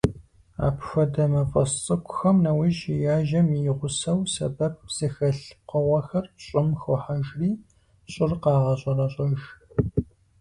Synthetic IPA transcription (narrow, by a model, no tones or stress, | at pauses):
a̰ːpʰfɐdɐmɐfʼɐst͡sʼɨkʷʰʼʊ̥xɐmnɐwɪʒɪjaːʒɐmijɪʁʷʊsɐwsɐ̰bɐp̚z̥ɨxɐɬ̚qɔʁɐxɐrɕʼɪmxʊħaʒriː | ɕʼɪrqɑːʁɐɕʼɐrɐɕʼɔʒ